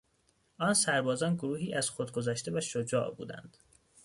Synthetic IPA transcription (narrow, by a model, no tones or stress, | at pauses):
ʔɒːnsæɾbɒːzɒːnɡoɾuːɦiːʔæz̥xod̪̚ɡo̞zæʃt̪e̞væʃod͡ʒɒ̰ːʔbṵːd̪æ̰nd̪̥